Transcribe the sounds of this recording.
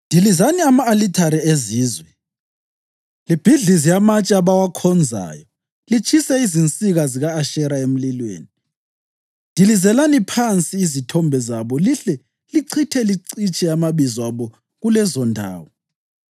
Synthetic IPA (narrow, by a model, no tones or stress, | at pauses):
ndʱilizaniamaːlitʰaɾieziːzwɛ | lib̥ʱiɮizijamat͡ʃʼaβawakʰɔnd͡zʱa̰ːjɔ | lit͡ʃʰisɛizint͡sʼiɣaziɣaːʃɛɾaem̩lilwḛːni | ndʱilizɛlanipʰant͡sʼiːzitʰɔmbʱɛzaβɔliɬɛ | liǀʰitʰɛliǀit͡ʃʼɛamaβizaβɔ | ɣulɛzɔndʱa̰ːwɔ